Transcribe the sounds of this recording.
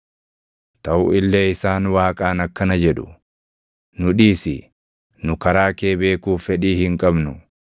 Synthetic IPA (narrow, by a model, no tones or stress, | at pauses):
t̪ɐʔʊʔɪlːɛɪsaːnwaːkʼaːnɐkːɐnɐd͡ʒɛᶑʊ̥ | nʊᶑiːsɪ | nʊkɐɾaːkeːbe̞ːkuːfːɛᶑiːhɪŋkʼɐbnʊ